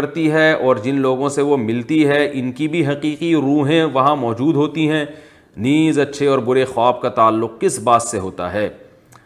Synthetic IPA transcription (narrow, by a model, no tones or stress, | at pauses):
ɾt̪iɦɛɔːɾd͡ʒɪnloːɡõseʋomɪlt̪iɦɛʔɪnkibʱiɦɐqiːqiɾuːɦẽʋɐɦãmɔːd͡ʒuːd̪ɦoːt̪iɦɛ̃ː | niːzɐtːʃʰeɔːɾbʊɾexaːb̚kat̪aːlːʊq̚kɪsbaːt̪seɦoːt̪a̰ɦɛː